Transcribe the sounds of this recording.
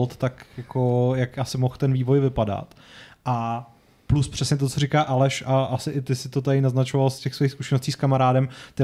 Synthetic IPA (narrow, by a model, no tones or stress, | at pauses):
lt̪t̪akjakojakʔasɪmoxt̪ɛnviːvo̞jvɪpada̰t̪ | ʔa | pluspr̥ɛsɲɛt̪̬o̞t͡sorikaːʔalɛʃʔaʔasɪʔɪt̪ɪsɪt̪ot̪aɾɪnaznat͡ʃovalscɛxsvojixskuʃɛnosciːskamaɾaːdɛmt̪ɛ